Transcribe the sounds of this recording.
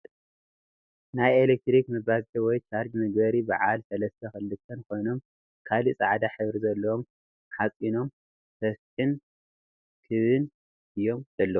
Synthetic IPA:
najelek̚t̪ɾikmɨbazʰʼiwɔjt̪ʰaɾd͡ʒmɨɡbɐɾiba̰ʕalsɐlɐst̪ʰɐxɨlːɨt̪ʰːɐnkʰo̞jno̞m | kʰalisʼaʕd̪aħɨβɾizɐlːɐwom | ħat͡sʼino̞m | sʰɐstɨn | kʰɨβɨn | ɨjːo̞mzɐlːɐu

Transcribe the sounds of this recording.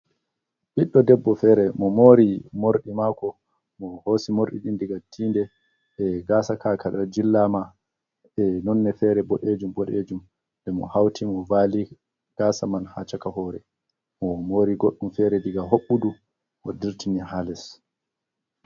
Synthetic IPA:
ɓiɗːɔdɛbːɔfɛːɾɛmɔmoːɾimoɾɗimakɔ | mɔhosimoɾɗḭɗindiɡatʰːiːndɛ | ɛɡaːsakʰakaɗɔd͡ʒilːama | ɛnɔnːɛfɛɾɛbɔɗed͡ʒumbɔɗed͡ʒum | ndɛmɔ̰hawtʰimɔvaːli | ɡ̥aːsamanhat͡ʃakaɦɔɾɛ | mɔmoːɾiɡoɗːumfɛɾɛdiɡaɦoɓːudu | mɔdiɾtiniɦalɛs

